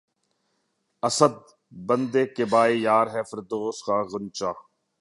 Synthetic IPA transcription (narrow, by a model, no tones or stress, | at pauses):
ɐsəd̪̚ | bənd̪eːkebaːeːjaːɾɦɛːfəɾd̪oːskaːɣʊnt͡ʃaː